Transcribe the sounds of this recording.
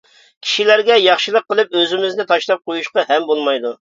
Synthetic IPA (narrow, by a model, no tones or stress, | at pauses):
kʲʰi̥ʃilæɾɡʲɛjɑχʃilˠəqːəlˠɨp̚øzɪmɪznɪt̪ʰɑʃlˠɑp̚qojuʃqɑhɛmbolˠmɑjd̪u